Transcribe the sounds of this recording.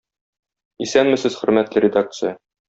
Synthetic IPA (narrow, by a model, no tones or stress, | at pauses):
isænmɘ̆sɘz̥χɵ̆ɾmæt̪lɘɾʲɪd̪ak̚t̪sɨjə